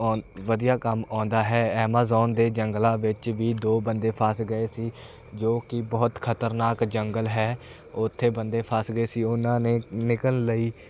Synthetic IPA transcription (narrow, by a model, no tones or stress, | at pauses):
ʋəd̪ijaːkəmɔ̃ːnd̪aːɦɛːɛːmaːzɔːnd̪eːd͡ʒəŋɡlãːʋɪt͡ʃʋiːd̪oːbənd̪eːpʰaːsɡəeːsiː | d͡ʒoːkɪbɔːt̪kʰət̪əɾnaːkd͡ʒəŋɡəlɦɛː | ʊt̪ʰːeːbənd̪eːpʰasɡəeːsiːʊnãːneːnɪkəlːəiː